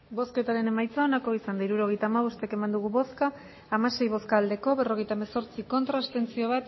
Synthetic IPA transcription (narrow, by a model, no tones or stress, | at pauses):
bo̞ske̞t̪aɾe̞ne̞majt͡saonako̞isand̪aiɾuɾo̞ɣ̞e̞jt̪aːmaβ̞o̞st̪eke̞mand̪uɣ̞uβo̞skaː | mase̞jβo̞skaːld̪e̞ko̞βe̞ro̞ɣe̞jt̪aemaso̞ɾt͡siko̞nt̪ɾast̪e̞nt͡sio̞β̞at̪